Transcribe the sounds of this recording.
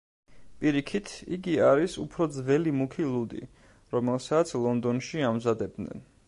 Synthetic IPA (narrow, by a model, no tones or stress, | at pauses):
pʼiɾikʰit̪ʰḭɡiaɾisṵpʰɾɔd̪zvɛlimukʰilˠud̪ḭ | ɾɔmɛlˠsat̪sʰlˠɔnd̪ɔnʃiamzad̪ɛb̚d̪nɛ̰n